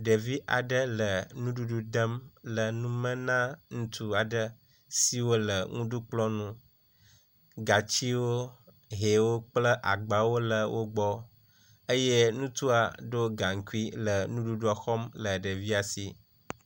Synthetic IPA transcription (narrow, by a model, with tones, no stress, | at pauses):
ɖə˨vi˦ʔa̰˨ɖə˦lə˨nũ˦ɖu˦ɖu˦ɖə˦mlə˨nũ˦mə̃˦nã˦ŋũ˦t̪ʰu˦a˨ɖə˦ | si˦wo˦lə˨ŋũ˦ɖu˦k͡plɔ˦nũ˦ | ɡa˨t͡ɕi˦wo˦ | ɦe˨wo˦k͡plə˦ʔa˨ɡ͡ba˨wo˦lə˨wʔo˦ɡ͡bɔ˦ | ə˦jɛ˦nũ˦t̪u˦a̰˨ɖo˦ɡa˨ŋ˨ku˦i˦lə˨nũ˦ɖu˦ɖu˦a˨xɔ˦mlə˨ɖə˨vi˦a˨sḭ˨